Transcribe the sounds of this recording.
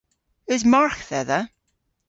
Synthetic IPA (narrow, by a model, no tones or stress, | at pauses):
ɪzmaɹkðɛðə